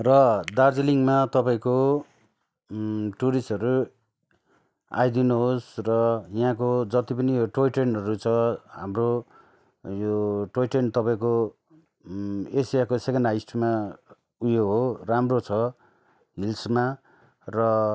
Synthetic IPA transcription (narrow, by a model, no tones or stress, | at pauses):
rʌd̪ard͡ziliŋmat̪ʌpaĩko | ʈuɾisʈʌɾu | a̰jd̪inuɦosrʌjãkod͡zʌt̪ipʌnijoʈojʈenʌɾut͡sʰʌɦa̰mro | joʈojʈent̪ʌpaĩko | esijakosekʌnajsʈma | ujoɦoramrot͡sʰʌ | ɦilsma | rʌ